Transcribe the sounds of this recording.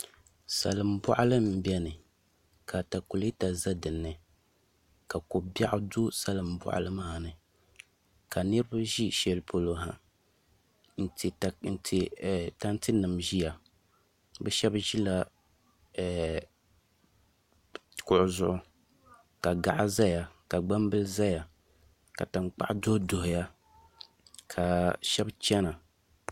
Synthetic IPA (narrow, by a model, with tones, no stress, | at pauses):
sa̰˨lɨ˨mbɔ̰˦ʔa˦lɨ˦m̩˨bɛ˦nɨ˨ | kʰa˨ta˨ku˨le˦ta˨za˦dɨ˨nːɨ˨ | ka˨ko˨ba˦ʔʊ˦du˦sa˦lɨ˨mbɔ̰˨ʔa̰˨lɨ˦maː˦˨nɨ˨ | ka˨nɨ˦ɾɨ˦ba˦ʒi˦ʃɛ˨lɨ˨pʰo˨lo˦ɦa˨ | n̩˦tn̩˨tʰi˨ta˦ntɨ˦nɨ˨mʒi˦ja˨ | bɛ˦ʃɛ˦bʒi˦la˦˨ | kʊ˨ʔʊ˨zʊ˦ʔʊ˦ | ka˨ɡa˨ʔa˦za˦ja˨ka˨ɡ͡ba˦m˦bɨ˦lɨ˦za˦ja˨ | ka̰˨ta˨ŋ͡mk͡pa̰˦˨ʔa˦do˦do˨hʊ˨ja˦ | kʰa˨ʃɛ˦bt͡ʃɛ˦na˨